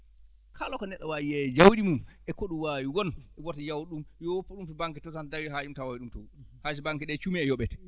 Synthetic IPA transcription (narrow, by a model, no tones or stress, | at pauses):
kʰalɔkɔnɛɗːɔwaːjiɛd͡ʒawɗimumʔɛkɔɗumwaːwiwɔnɛɡɔtajawɗumjɔpːɔɗumfibaŋkɛtɔsandawiɦajumtawawiɗumtɔ | has̬ibaŋkɛɗɛt͡ʃumiɛjɔɓɛtɛ